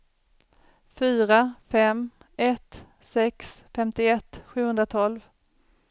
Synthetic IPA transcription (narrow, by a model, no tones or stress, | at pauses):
fyːɾafɛm | ɛt̪ | sɛksfɛmt̪ɪɛt̪ːɧʉ̟ːhɵnd̪ɾat̪ʰɔlv